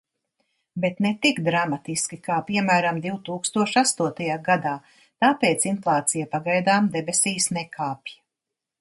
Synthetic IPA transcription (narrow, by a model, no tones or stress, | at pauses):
bet̪net̪iɡd̪ɾamat̪iskʲikaːpiɛmæːɾamd̪iwt̪uːkst̪uɔʃast̪uɔt̪ajaːɡad̪aː | t̪aːpeːt̪sinflˠaːt̪sijapaɡajd̪aːmd̪ɛbesiːsnɛkʰaːpja